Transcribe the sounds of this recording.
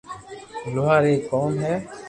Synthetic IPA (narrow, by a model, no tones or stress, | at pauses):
loɦaɾekɔːnɦɛ